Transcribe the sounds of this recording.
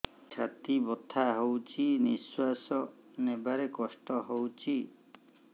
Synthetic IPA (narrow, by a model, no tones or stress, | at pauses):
t͡ʃʰat̪ibɔt̪ʰaɦowt͡ʃʰiniswasɔ | nebaɾekɔsʈɔɦowt͡ʃʰi